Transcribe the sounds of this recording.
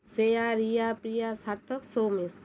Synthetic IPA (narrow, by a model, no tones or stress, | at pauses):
sejaɾijapɾijasaɾt̪ʰɔksowmis